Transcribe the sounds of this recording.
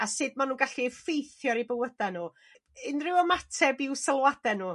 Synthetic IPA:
asɨːdmanuːɡaɬifejθjɔɾibəwədanuː | ɪnrɪwɔmatʰɛbɪwsəlˠwadɛnuː

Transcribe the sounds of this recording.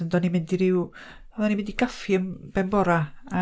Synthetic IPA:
əndɔnimɪndiɾɪw | ɛðanimɪndiɡafiəmb̥ɛmbɔɾaa

